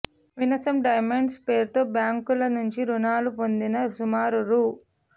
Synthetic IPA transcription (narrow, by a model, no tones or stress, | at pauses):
ʋinɐsɐmɖɐjmeɳɖspeːɾt̪o̞ːbjaːŋkulɐnuɲt͡ʃiɾunaːlupo̞nd̪inɐsumaːɾuɾu